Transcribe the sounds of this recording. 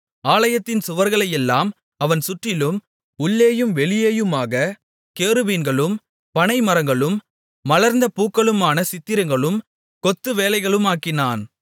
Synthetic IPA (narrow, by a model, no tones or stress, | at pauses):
aːlɐjɐt̪ːɪnsʊʋɐɾɣɐɭɐjɛlːaːm | ɐʋɐnsʊʈrɪlɯm | ʊɭːeːjɯmʋɛɭɪjeːjɯmaːɣɐ | keːɾɯʋiːnɡɐɭɯm | pɐnɐɪmɐɾɐŋɡɐɭɯmː | ɐlɐɾnd̪ɐpuːkːɐɭɯmaːnɐsɪt̪ːɪɾɐŋɡɐɭɯm | kɔt̪ːɯʋeːlɐɪɣɐɭɯmaːkːɪnaːn